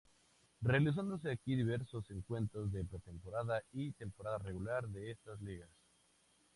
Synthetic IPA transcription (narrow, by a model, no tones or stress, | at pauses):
re̞alis̬and̪o̞s̬e̞akiðiβe̞ɾsose̞ŋkwe̞nt̪ɾozðe̞pɾet̪e̞mpo̞ɾaðait̪e̞mpo̞ɾaðare̞ɣulaɾðe̞est̪azliɣas